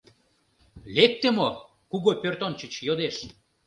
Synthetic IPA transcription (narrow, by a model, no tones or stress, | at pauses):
lek̚t̪emo | kuɣopʲørt̪ont͡ɕət͡ɕjod̪eʃ